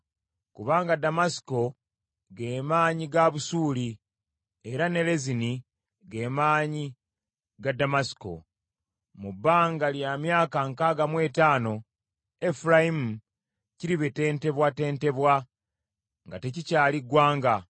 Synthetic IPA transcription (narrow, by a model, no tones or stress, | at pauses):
kuβaːŋɡadamasi̥ko̞ | ɡeːmaːɲiɡaβusuːli | e̞ɾane̞le̞zini | ɡe̞ːmaːɲi | ɡadamasi̥ko̞̰ | mubːaːŋɡaljamjaːkaŋkaɡamwe̞ːtaːno̞ | efuɾaimu | ciɾiβete̞ːnte̞βwate̞ːnte̞βwa | ŋɡa̰te̞cicaːliɡwaːŋɡa